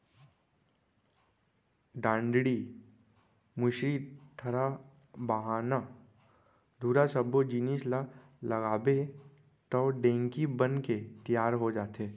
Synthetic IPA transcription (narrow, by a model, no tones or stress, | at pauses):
ɖãːɳɖɽi | mʊʃɾit̪ʰɐɾa | bəɦaːna | d̪ʱuːɾasɐbod͡ʒinisla | lɐɣaːbe | t̪ɔːɖẽːŋkibənket̪ijaːɾɦod͡ʒaːt̪eː